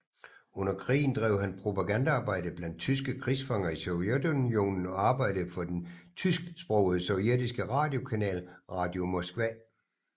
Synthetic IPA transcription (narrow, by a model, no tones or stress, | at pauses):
ɔ̽n̰ɐkʰʁḭːn̩d̥ʁɛːʊhænpʰʁo̝pʰæɡ̥ænd̥əɑ̈ːb̥ɑ̈ɪ̰d̥əb̥læn̰d̥̚t͡sʰys̬ɡ̥əkʰʁisfɑŋɐisɔʊed̥unjo̝̰ːnn̩ɒɑ̈ːb̥ɑ̈ɪ̰d̥əfɒ̽d̥ent͡sʰysɡ̥sb̥ʁɔʊð̩ˠəsɒʊied̥isɡ̥əʁɑ̈ːd̥jo̝kʰænɛ̰ːlʁɑ̈ːd̥jo̝mɒ̽sɡ̥ʋɛ